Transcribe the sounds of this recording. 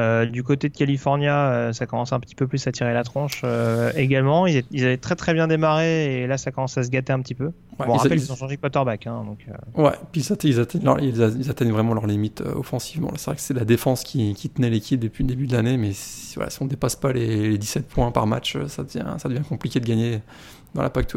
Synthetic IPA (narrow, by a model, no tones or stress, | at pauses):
ød̪ykot̪ed̪əkʲalifɔʁnjaøsakɔmɑ̃sɛ̃pə̥t̪i̥pøplysat̪ʰiʁelat̪χɑ̃ʃøeɡalmɑ̃ilzɛilzavɛt̪χɛt̪χɛbjɛ̃d̪emaʁeːlasakɔmɑ̃sas̬əɡʲat̪eɛ̃pət̪ipø | wɛ̃ʁapɛlizɔ̃ʃɑ̃ʒekwat̪œʁbakɛ̃d̪ɔ̰̃kø̰wɛ̰pilzat̪ɛilzat̪ʰɛɲl̰ʁilzilzat̪ɛɲvʁɛmɑ̃lœʁlimit̪ʰø̰ɔ̰fɑ̃sivmɑ̰̃lasɛvʁɛkə̥sɛd̪lad̪efɑ̃skʲʰikʲit̪ənɛlekʲʰip̚d̪əpɥiləd̪ebyd̪əlanemɛsvwa̰la̰siɔ̃d̪epaspaleled̪isɛt̪̚pʰwɛ̃pa̰ʁma̰t͡ʃø̰sad̪əvjɛ̰̃sad̪əvjɛ̃kɔ̃plikʲed̪əɡʲaɲe | d̪ɑ̃la̰pak̚t̪ʰwi